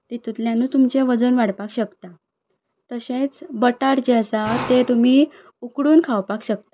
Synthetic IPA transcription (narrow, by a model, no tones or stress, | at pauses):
t̪et̪ut̪ljãnːuːt̪umt͡ɕeʋəd͡zənʋaɽpakɕəkt̪a | t̪əɕẽt͡sbəʈaɾd͡ʑesat̪et̪um̤i | ukɽuːnkʰawpakɕək̚t̪a